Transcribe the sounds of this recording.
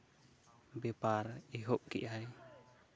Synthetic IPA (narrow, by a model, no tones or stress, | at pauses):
bɛpaɾiɦop̚kḭʔaj